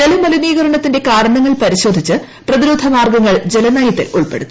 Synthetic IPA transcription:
nɐlumɐliniːɣɐɾɐɳɐt̪ːinde̞kaːɽɐɳɐŋːɐɭpɐɾiɕo̞ːd̪ʱit͡ɕːɨ | prɐðiɾuːd̪ʱɐmaːrɡɐŋːɐɭd͡ʑe̞lɐnaːjɐt̪ːḭluɭpe̞ɽut̪ːu̥

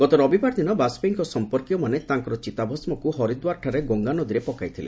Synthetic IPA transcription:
ɡ̥ɔt̪ɔɾɔbipaɾd̪ʱinɔbasbeŋkɔsɔmpɔɾkijɔmanet̪aŋkɔɾɔt͡ʃit̪abʱɔsmɔkuɦɔɾid̪waɾʈʰaɾeɡɔŋɡanɔd̪iɾepɔkajt̪ʰilḛ

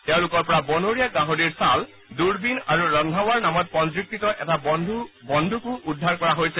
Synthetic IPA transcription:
tɛʊ̃lʊkɔɹpɔɹabɔnoɹijaɡaɦoɹiɹsal | duɹbinaɹuɹɔndʱawaɹnamɔt̚pɔntɹik̚titɔʔɛtadʱubɔndʱukʊ̃ʔudʱːaɹkɔɹaɦojsɛ

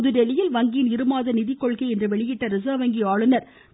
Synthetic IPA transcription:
ðɯɖɛlɪjɪlʋɐŋɡinɪɾɯmaːðɐnɪðɪkːɔɭkɐɪɛndrɯʋɛɭɪjɪʈːɐɾɪs̬aːʋɐŋɡiaːɭɯnɐɾ

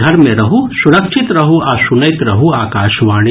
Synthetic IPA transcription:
ɐɾmẽɾɐɦusʊɾɐkʃɪt̪ɾɐɦuʔaːsʊnɐɪt̪ɾɐɦuaːkaːʃʋaːɽi

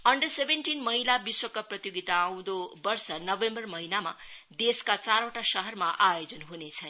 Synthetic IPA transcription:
ʌɳɖʌsebenʈinmʌɦilabiswʌkaprʌt̪joɡit̪aːw̃d̪obʌrsʌnʌbembʌrmʌɦinama̰d̪eskat͡saɾoʈasʌɦʌrmaʔajod͡zʌnɦunet͡sʰʌn

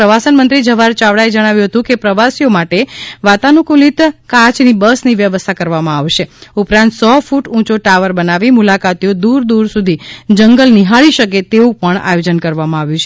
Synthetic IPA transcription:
ɾəʋasənmənt̪ɾid͡ʒəʋaɾt͡ʃaʋɽaed͡ʒəɽ̃aʋjũɦət̪ũkepɾəʋasijomaʈeʋat̪anũkulit̪kãt͡ʃnibəsniʋjəʋəst̪ʰakəɾʋamãaʋʃeupɾãnt̪sɔfuʈũt͡ʃoʈaʋəɾbənaʋimulakat̪ijod̪uɾd̪uɾsud̪ʱid͡ʒəŋɡəlniɦaɭiʃəket̪eũpəɳa̰jod͡ʒənkəɾʋamãaʋjũt͡ʃʰe

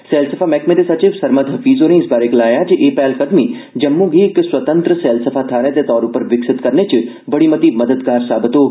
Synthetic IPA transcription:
seːlsɐfʰamɛkmeːt̪esat͡ʃiʋsɐɾməd̪ɦɐfiːzonẽɪsbaːɾeklaːjad͡ʒeʔeːpɛːlkəd̪mi | d͡ʒɐmːuɡiɪksʋɐt̪ə̃nt̪ɾəseːlsəfʰat̪ʰaːɾẽt̪et̪ɔːɾupəɾʋɪksɪt̪kɐɾnet͡ʃi | bɐɽimət̪imɐd̪əd̪kaːɾsaːbɪt̪oː

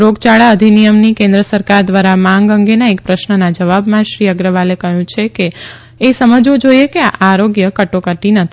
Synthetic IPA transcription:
ɾoɡt͡ʃaɭaəd̪ʱinijəmnikẽnd̪ɾəsəɾkaɾd̪ʋaɾamãŋɡəŋɡenaek̚pɾəʃnənad͡ʒəʋabmãʃɾiəɡɾəʋalekəɦjũt͡ʃʰekeː | səməd͡ʒʋõd͡ʒojekeaʔaɾoɡjəkəʈokəʈinət̪ʰi

